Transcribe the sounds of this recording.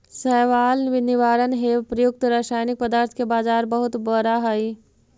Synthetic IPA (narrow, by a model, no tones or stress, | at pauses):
sɛɦʋaːlʋɪnɪʋaːɾənɦepɾəjʊk̚t̪ɾaːsaːjnɪk̚pəd̪aːɾt̪ʰkebaːzaːɾbəɦʊt̪bəɾaɦɐi